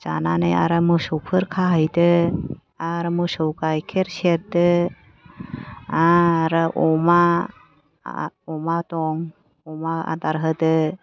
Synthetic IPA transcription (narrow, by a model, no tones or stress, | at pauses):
za̰nanaja̰ɾamɯsɔpʰɯɾkʰaɦajdɯ | aɾmɯsɔwɡajkʰeɾseɾdɯ | aɾɯʔɔma | ɔmatɔŋ | ɔmaa̰daɾɦɯdɯ